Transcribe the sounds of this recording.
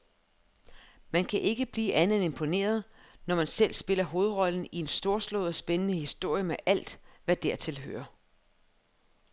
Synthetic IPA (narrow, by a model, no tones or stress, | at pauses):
mænkʰæʔe̝ɡ̥əb̥liːʔænð̩ˠene̝mpʰo̝ne̝̰ːɐð̞ˠnɒmænsel̰sb̥e̝lɐɦo̝ːð̞̩ˠʁɒ̽ln̩ie̝nsd̥o̝ɐslɔ̰ːðˠɒsb̥enənəhisd̥o̝ɐ̰jəmeʔæl̰d̥ʋæd̥æ̰ɐt͡sʰe̝lɦø̰ːɐ